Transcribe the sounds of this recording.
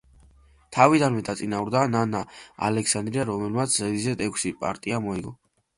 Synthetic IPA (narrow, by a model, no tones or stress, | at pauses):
t̪ʰavid̪anmɛd̪at̪sʼinavuɾd̪ananaa̰lɛksand̪ɾiaɾɔmɛlmat̪sʰzɛd̪izɛt̪ʼɛkʷʰsipʼa̰ɾt̪ʼiamɔiɡɔ